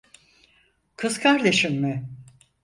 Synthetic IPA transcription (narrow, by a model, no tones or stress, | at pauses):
kʰɯzkʰaɾd̪e̞ʃimːɪ